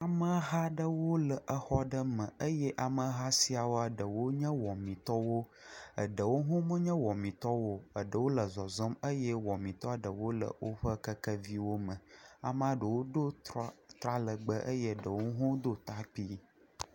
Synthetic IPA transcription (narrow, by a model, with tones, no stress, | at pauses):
a˨mə˦ɦa˦ɖə˦wo˦lə˨ʔə˦xɔ˦ɖə˦mə̃˨ə˦jɛ˦ʔa˨mə˨˦ɦa˦si˦a˨wo˦a˨ɖə˨wo˦ɲɛ̃˦wɔ˨mĩ˨t̪ɔ˦wo˦ | ə˨ɖə˨wo˦ɦũ˦mə˦ɲə̃˦wɔ˨mĩ˨t̪ɔ˦wo˦ə˨ɖə˨wo˦lə˨zɔ˨zɔ˦mə˦jɛ˦wɔ˨mĩ˨t̪ɔ˦a˨ɖə˨wo˦lə̰˨wʔo˦ɸə˦kə˦kə˦vi˦wo˦mə̃˨a̰˨m˦a˦ɖə˨wo˦do˦t̪ɾa˦lə˨ɡ͡bə˦ʔə˦jə˦˨ɖə˨wo˦ɦũ˦d̪o˦t̪a˦k͡pi˦